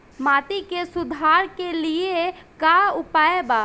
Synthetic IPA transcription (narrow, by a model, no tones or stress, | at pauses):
maːt̪ikesʊd̪ʱaːɾkeliekaʊpaːebaː